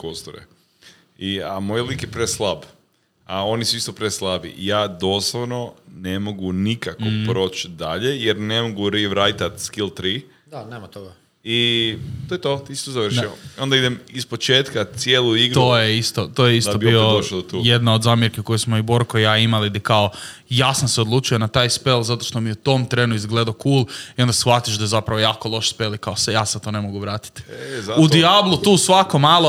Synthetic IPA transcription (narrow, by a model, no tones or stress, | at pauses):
kost̪oɾḛ | iamojlikjepɾeslˠab | ao̞nisuist̪o̞pɾeslˠabḭjaːd̪o̞slˠoʋno̞ne̞mo̞ɡunikakopɾo̞ːt͡ʃd̪aʎe̞jeɾnemoɡuɾiʋɾajt̪at̪skilˠt̪ɾiː | d̪aneːmat̪oɡa | it̪ojet̪ot̪isi̥t̪ozaʋɾʃiio̞nd̪aid̪emispo̞t͡ʃeːt̪kat̪sjeːlˠuiɡɾt̪oːjeist̪ot̪oːjeist̪obiod̪oʃod̪ot̪ujed̪naod̪zaːmjeɾkeko̞jesmoiboɾkojaːimalid̪ikao | jasanseod̪lˠut͡ʃuje̞nat̪aːjspe̞lˠzat̪o̞ʃt̪o̞mijeut̪o̞mt̪ɾe̞ːnuizɡle̞d̪akuːlˠio̞nd̪asxʋat̪iʃd̪azapɾaʋo̞jaːko̞lˠo̞ʃspe̞likaosejaːset̪o̞ne̞moɡuʋɾaːt̪i̥t̪zaud̪iablˠut̪uːsʋako̞maːlˠo